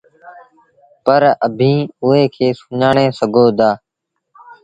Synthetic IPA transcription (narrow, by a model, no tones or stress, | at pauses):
pəɾəbʱĩːʊɦeːkʰeːsʊɲaːɳeːsəɡʱoːd̪aː